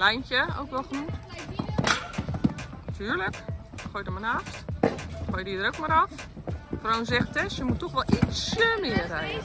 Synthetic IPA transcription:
lɛjnçjəo̰wkʋɛlˠxnu | tʰyːrlək | xojdəmanaftxojdidəɾowkmaɾɔffɔrownzɛxtɛsjəmutːɔxʋɔlˠʔisjəmɪərɛj

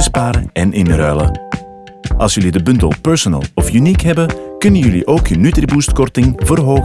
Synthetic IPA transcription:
spaːɾə̰ɛnʔɪnrœlə̰ | ʔɑ̰lˠsjɵlidəbʏntə̰lˠpœɹsɔnə̰lˠɔfjynikɦɛbəkɵnəjɵlḭʔoːkənytribuːstkɔrtɪŋvərɦoː

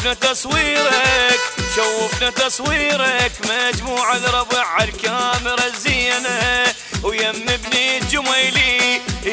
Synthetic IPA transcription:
nat̪ɑsˤwiːɾɑkʃawːɪfnat̪ɑsˤwiːɾakmad͡ʒmuːʕalɾˤɑbɪʕalkaːmɪɾaziːna | wjamːɪbnid͡ʒʊmajli

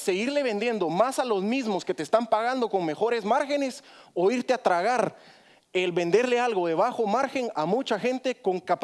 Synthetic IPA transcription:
se̞ɣiɾle̞βe̞nd̪je̞nd̪o̞masalo̞zmizmosket̪eːst̪ampaɣand̪o̞ko̞ŋme̞xo̞ɾe̞zmaɾxe̞ne̞soiɾt̪eat̪ɾaɣaɾ | elβe̞nd̪e̞ɾle̞alɣo̞ðe̞βaxo̞maɾxe̞ŋamut͡ʃaxe̞nt̪e̞ko̞ŋkap

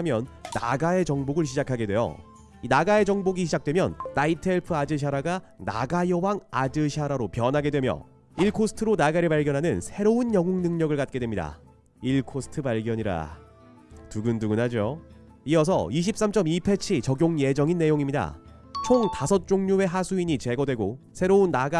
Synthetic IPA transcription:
mjʌnːa̰ɡae̞t͡ɕʌŋboɡɯɭɕ̬ʰid͡ʑakʰaɡe̞dwe̞jo̰ | inaɡae̞d͡ʑʌŋboɡiɕʰid͡ʑak̚t͈we̞mjʌ̰nːaitʰeɭpʰɯad͡ʑɯɕ̬ʰaɾaɡa | na̰ɡajʌwaŋad͡ʑɯɕʰaɾaɾopjʌnɦaɡe̞dwemjʌ̰ | iɭkʰosʰɯ̥tʰɯɾonaɡaɾipaɭɡjʌnɦanɯnsʰe̞ɾounjʌŋoŋnɯŋɲʌɡɯɭkat̚k͈e̞dwemɲida̰ | iɭkʰosʰɯ̥tʰɯpaɭɡjʌɲiɾa̰ | tuɡɯnduɡɯnɦad͡ʑo | iʌs̬ʰʌ̰iɕ̬ʰip̚s͈amt͡ɕ͈ʌmipʰe̞t͡ɕʰit͡ɕʌɡjoŋje̞d͡ʑʌŋinːe̞joŋimɲida̰ | t͡ɕʰoŋtasʰʌt̚t͡ɕ͈oŋɲue̞ɦasʰuiɲit͡ɕe̞ɡʌdwe̞ɡosʰe̞ɾounːaɡa

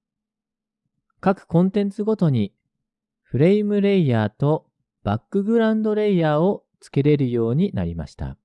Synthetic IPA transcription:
kakɯ̟̥kõ̞nt̪ẽnt͡sɨɡo̞t̪o̞ɲ̟i | ɸɯ̟ɾe̞imɯ̟ɾe̞ijaːt̪o̞ | b̥akːɯ̟ɡɯ̟ɾãnd̪o̞ɾe̞ijaːo | t͡sɨ̥ke̞ɾe̞ɾɯ̟jo̞ːɲ̟ina̰ɾʲima̰ɕi̥t̪a̰

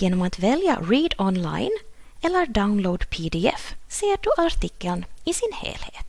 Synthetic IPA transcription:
jeːnɔmat̪vɛlja̰ɾiːd̪ɔnla̰ɪn | ɛlːəɾɖaʊnloːd̪pʰid̪ɪɛ̰fseːɖɵʔaɾʈ̪ɪkːəlnɪsɪnhḛːlhḛːt̪

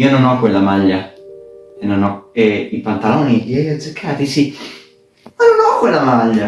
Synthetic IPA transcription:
iononɔkːwelːamaʎːa | enːonɔeipant̪alɔːniʎiɛjɔd̪zːekʰːaːt̪isi | nonɔkːwelːamaʎːa

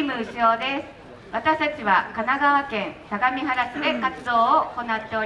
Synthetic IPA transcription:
imɯ̟ɯ̟ɕo̞ːd̪e̞sɨ̥ | βat̪aɕi̥t̪at͡ɕiβakanaɡaβakẽ̞nt̪aɡamʲiɦaɾasɨd̪e̞kat͡sɨd̪o̞ːooko̞nat̪ːe̞o̞ɾi

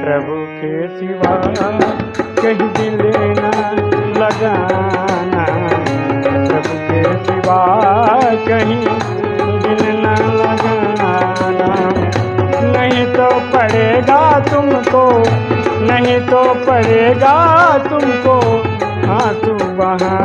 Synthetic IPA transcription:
pɾɐbʱukʰeːsiʋa | kɐɦĩd̪ɪd̪enalɐɡa | na | pɾɐbʱukʰesiʋaː | kɐɦĩ | d̪ɪnnalɐɡa | na | nɐɦĩt̪opɐɽeːɡat̪ʊmko | nɐɦĩt̪opɐɽeːɡaːt̪ʊmko | ɦãːt̪uʋaɦã

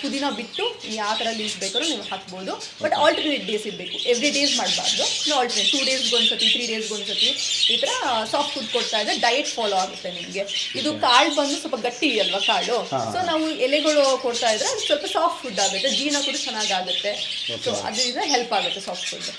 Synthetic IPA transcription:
pud̪inɐbiʈːuiːaːt̪ɐɾɐliːsbeːkɐɾuniːʋuhaːkbo̞ːd̪u | bɐʈaːlʈɐɾneːʈ̚be̞ːsiɾbe̞ːkuʔeʋɾiɖe̞ːsmaːɽba̰ːɾd̪unaːlʈɐɾneʈʈuːɖe̞ːsɡoɳisɐt̪ːit̪ʰɾiːɖe̞ːsɡoɳisɐt̪ːiiːt̪ɐɾɐsaːpʈfuɖkoɽt̪aːjd̪ɐɾeɖɐjeʈfaːloːaːɡut̪ːenimɡe̞id̪ukaːɭbɐnd̪usɔlpɐɡɐʈːiɐlʋɐkaːɭuso̞ːnaːʋuɛlɛɡɐɭukoɽt̪aːjd̪ɐɾeɐd̪usʋɐlpɐsaːpʈfuɖaːɡut̪ːed͡ʒiːnɐkuːɽɐt͡ʃɐnːaːɡaːɡut̪ːe̞soːɐ̰d̪innɐɦelpaːɡut̪ːe̞saːp̚ʈfʰṵɖː

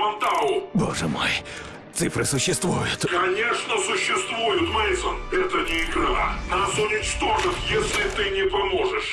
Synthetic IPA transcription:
mɐnt̪alʊbo̞̰ʐə̰mo̰j | t̪sɨfɾɨsʊɕːɪst̪vujʊt̪kɐnʲe̞ʂnəsʊɕːɪst̪vujʊt̪mɐsənɛt̪ənʲɪɪɡɾa̰nasʊnʲɪt͡ɕt̪o̞ʐɨt̪jesʲlʲɪt̪ɨnʲɪpɐmo̞ʐɨʂ

